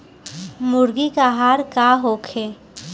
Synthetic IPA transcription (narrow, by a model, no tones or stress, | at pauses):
mʊɾɡikaɦaːɾkaɦoːkʰe